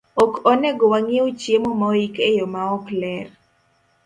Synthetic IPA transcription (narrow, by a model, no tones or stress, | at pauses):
ɔkɔnɛɡɔwaŋɪot͡ʃjemomaikejomaɔklɛr